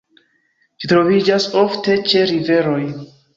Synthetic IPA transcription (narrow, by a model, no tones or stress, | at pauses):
t͡ʃitɾo̞vid͡ʒaso̞fte̞t͡ʃe̞ɾive̞ɾo̞j